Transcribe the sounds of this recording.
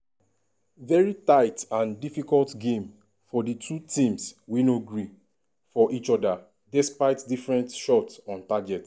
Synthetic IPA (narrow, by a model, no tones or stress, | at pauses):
vɛɹitaɪtãndifikɔltɡẽm | fɔditʰutĩmswinoɡɹi | fɔʔit͡ʃɔda | dɛspaɪtdifɹɛ̃ntʃɔtsɔ̃ntaɡɛt